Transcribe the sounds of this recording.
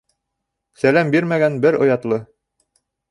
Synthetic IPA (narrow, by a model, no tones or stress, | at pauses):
sælæmbiɾmæɡænbɘɾŏjɑt̪lˠɤ